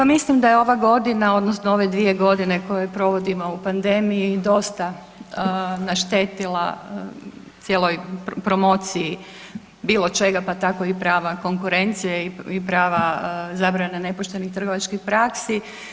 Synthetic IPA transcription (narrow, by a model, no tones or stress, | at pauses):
pamislimd̪ajeo̞ʋaɡo̞d̪inao̞d̪nosnoo̞ʋe̞d̪ʋije̞ɡo̞d̪ine̞ko̞je̞pɾo̞ʋo̞d̪imo̞upand̪e̞mijid̪o̞st̪a | naʃt̪eːt̪ilˠa̰ | t̪sjelˠojpɾo̞mo̞t̪siji | biːlˠo̞t͡ʃe̞ɡapat̪ako̞ipɾaːʋako̞ŋkuɾe̞nt̪sijeiipɾaːʋazaːbɾanene̞poʃt̪e̞nixt̪r̩ɡo̞ʋat͡ʃkixpɾaksi